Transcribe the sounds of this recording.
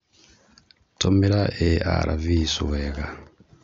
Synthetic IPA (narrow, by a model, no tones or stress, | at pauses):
tʰomeɾaʔea̰ɾʔavisuweɣa